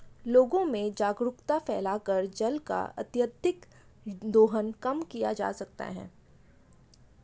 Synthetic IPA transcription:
loːɡõmẽd͡ʒaːɡɾʊkt̪afɛːlakəɾd͡ʒɐlka̰ʔɐ̰t̪jəd̪ʱɪk | d̪oːɦənkɐmkijad͡ʒa̰ːsɐk̚t̪a̰ɦɛ̰ː

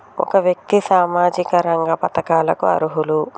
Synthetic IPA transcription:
ɔ̰kɐʋjɐk̚t̪isaːmaːd͡ʒikɐɾɐŋɡɐpɐt̪ɐkaːlɐkuɐ̰ɾuɦulu

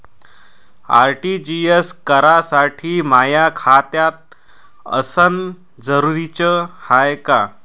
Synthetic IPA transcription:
a̰ɾʈid͡ʑieskəɾasaʈʰiːmajakʰat̪jat̪̚ | ə̰sən | d͡zəɾuɾit͡ɕəhajka

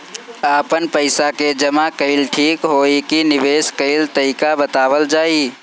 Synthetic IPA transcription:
aːpənpəɪsaked͡ʒəmakəɪlʈʰiːkɦoːikinɪʋeːskəɪlt̪əikabət̪aːʋəld͡ʒaːi

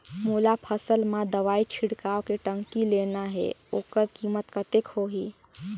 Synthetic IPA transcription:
mulapʰəsəlmad̪əʋait͡ʃʰiɽkawkeʈəŋkilenaɦɛ̰oːkəɾkimət̪kət̪ekhoɦi

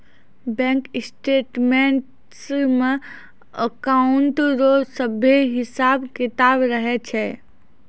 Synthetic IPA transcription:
bɛ̃ŋkɪsʈeːʈmenʈ | sme | əkaʊɳʈɾosəbʱeɦɪsaːbkɪt̪aːbɾəɦɛt͡ʃʰɛ

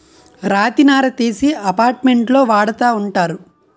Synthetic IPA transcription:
ɾaːt̪inaːɾɐt̪eːsiɐpaːɾʈme̞ɳʈlo̞ːʋaːɽɐt̪aːuɳʈaːɾu

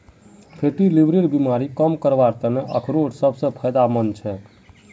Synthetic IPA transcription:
pʰeʈilibɾeɾbimaɾikəmkəɾʋaɾt̪əneʔə̰kʰɾoɽsəbsə̃pʰəjd̪amənt͡ʃʰɛ

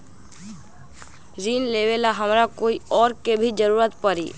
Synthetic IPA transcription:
ɾinlebelaɦəmɾakoiɔːɾkebʱid͡ʒəɾuɾət̪pəɾḭ

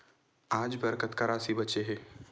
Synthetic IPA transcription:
aːd͡ʒbɐɾkət̪kɐɾaːsibɐtːʃeɦɛː

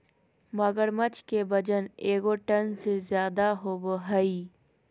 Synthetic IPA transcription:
mɐɡəɾmət͡ʃkebɐd͡ʒəneːɡoʈɐnsezjaːd̪aɦoːboɦɐiː

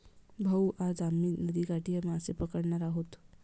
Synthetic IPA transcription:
bʱəwʔad͡zamiːnəd̪iːkaʈiaməsepəkəɽɳaɾaɦot̪

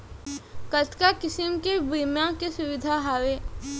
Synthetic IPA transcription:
kət̪kakɪsɪmkebimjãkesʊwɪd̪ʱaɦawe

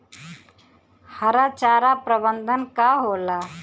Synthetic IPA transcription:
həɾat͡ʃaːɾapɾəbənd̪ʱənkaɦoːla

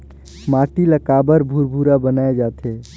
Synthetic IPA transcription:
maʈiləkabəɾbʱuɾbʱuɾabənaed͡ʒat̪ʰe

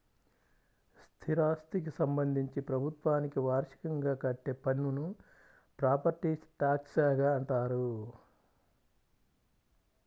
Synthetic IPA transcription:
st̪ʰiɾaːst̪ik̬isɐmbɐnd̪ʱiɲt͡ʃipɾɐbʱut̪ʋaːnikiʋaːɾʂi̥kɐŋɡaːkɐʈːe̞ːpɐnːunu | pɾaːpɐɾʈiːsʈaːksaːɡaːɐɳʈaːɾu

